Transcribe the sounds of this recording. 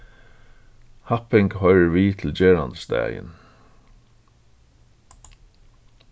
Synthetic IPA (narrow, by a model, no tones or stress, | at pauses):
hɑpɪŋɡhœʏɹəʋiːt̪ʰl̩d͡ʒɛːɹɑnsd̪æ̰ːɪə̰n